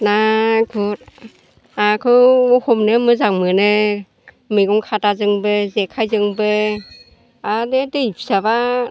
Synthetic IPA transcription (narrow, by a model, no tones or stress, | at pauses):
naɡut̚ | akʰɯohomnemɯzaŋmɯne | mɯɡɔŋkʰatazɯŋbezekʰajzɯŋbe | adedɯjpʰisaba